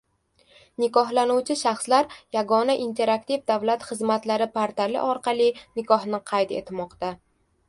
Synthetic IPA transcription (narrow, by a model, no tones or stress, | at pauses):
nɪkɒhlanuwt͡ʃʰɪʃaχslaɾjaɡɒnaʔint̪ʰe̞ɾak̚t̪ivd̪avlat̪χɨzmat̪laɾɪpʰaɾt̪ʰalɪ̰ʔɒɾqɑlˠinɪkʰɒhnɪqʰɑjt̪e̞̰t̪ʰmɒqt̪a